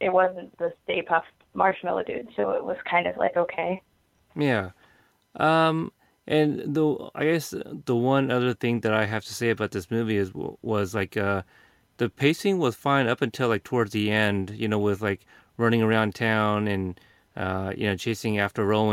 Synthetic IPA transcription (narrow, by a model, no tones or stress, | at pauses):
ʔɨt̚wʌzn̩ðɨsteɪpʰʌf | mɑɹʃmɛ̰lˠətʰʉ̰d̥soʊɪ̰t̚wʌz̥kʰãɪ̃ndʌvla̰ɪkoʊkʰeɪ | jæ | ʔʌ̃m | ʔɨ̃nðəa̰ɪɡɛsðəwʌ̃nʌðə˞θɪ̃ŋðɨɾaɪɦæftʰɨ̥seɪɨbaʊt̪̚ðɪsmʉviɨzwʌzlaɪkʌ | ðɨpʰeɪsɪ̃ŋwʌz̥fãɪ̃nʌpɨ̃ntʰɪlˠaɪk̚tʰəwɔɹdzðiɛ̃ndjɨnoʊwɪðlaɪk | ɹʌ̃ñɪ̃ŋə˞ãʊ̃ntʰãʊ̃nɨ̃n | ʔʌjɨ̰ñoʊt͡ʃʰeɪsɪ̃ŋæftə˞ɹoʊɪ̃